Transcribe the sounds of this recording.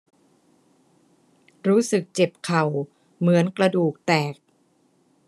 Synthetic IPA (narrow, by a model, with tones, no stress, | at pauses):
ɾuː˦˥sɯ˨˩k̚t͡ɕe˨˩p̚kʰa˨˩w | mɯ˩˦ənkla˧duː˨˩k̚t̪ɛː˨˩k̚